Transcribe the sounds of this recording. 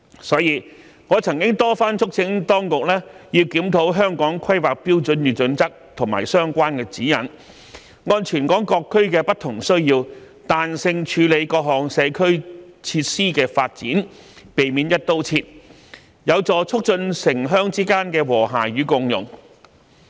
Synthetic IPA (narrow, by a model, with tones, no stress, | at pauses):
sɔː˨˧˥jiː˨˧ | ŋɔː˨˧t͡sʰɐ˨˩ŋkɪ˥ŋt̪ɔː˥faː˥nt͡ʃʰʊ˥k̚t͡sʰɪ˨˥ŋt̪ɔː˥ŋkʊ˨k̚lɛː˥jiː˧wkiː˨˥mt̪ʰo˨˥wɦœː˥ŋkɔː˨˥ŋkʰɐ˥jwaː˨k̚piː˥wt͡sɵ˨˧njyː˨˩t͡sɵ˨˧nt͡sɐ˥k̚t̪ʰʊ˨˩ŋmaː˨˩jsœː˥ŋkʷaː˥nkɛː˧t͡siː˨˥jɐ˨˩n | ŋɔː˧˥nt͡ʃʰyː˨˩nkɔː˨˥ŋkɔː˧kʰːɵ˥ɥkɛː˧pɐ˥t̚t̪ʰːʊ˨˩ŋsɵ˥ɥjiː˧w | t̪aː˨nsɪ˧ŋt͡ʃʰyː˨˧le˨˧jkɔː˧k̚ɦɔː˨ŋsɛː˨˧kʰɵ˥ɥt͡sʰiː˧t̚siː˥kɛː˧faː˧t̚t͡sḭː˨˥n | pe˨˩jmiː˨˥njɐ˥t̚t̪o˥wt͡sʰiː˧t̚ | jɐ˨˧wt͡sɔː˨˧t͡sʰʊ˥k̚t͡ʃɵ˧nsɪ˨˩ŋɦœː˥ŋt͡siː˥kaː˥nkɛː˧wɔː˨˩ɦa̰ː˨˩ɥyː˨˧kʊ˧ŋjʊ̰˨˩ŋ